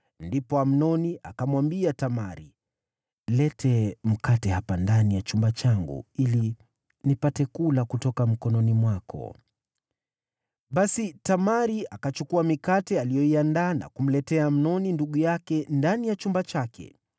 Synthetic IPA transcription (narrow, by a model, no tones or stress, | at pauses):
ndipɔam̩nɔniʔakamwambiatamaɾḭ | lɛtʰɛm̩katɛhapandanijat͡ʃumbat͡ʃaŋɡṵili | nipatɛkulakutɔkam̩kɔnɔnimwakʰɔ̰ | ɓasitamaɾiʔakat͡ʃukuamikatɛalijɔiandaːna̰kum̩lɛtɛaːm̩nɔninduɠujakɛndanijat͡ʃumbat͡ʃakɛ̰